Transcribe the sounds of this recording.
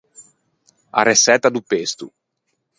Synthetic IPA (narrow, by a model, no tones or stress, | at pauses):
a̰resɛt̪ːad̪upest̪ṵ